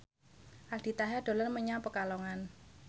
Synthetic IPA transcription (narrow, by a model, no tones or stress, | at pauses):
ʔald̪̥i̤t̪aɦaɖ̪̥o̤lənməɲapəkalɔŋan